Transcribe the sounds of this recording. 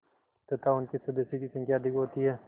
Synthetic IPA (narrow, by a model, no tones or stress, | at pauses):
t̪ɐt̪aʊnkisɐd̪esikisɐ̃ŋkʰjaːd̪ɪkɦoːt̪iɦɛː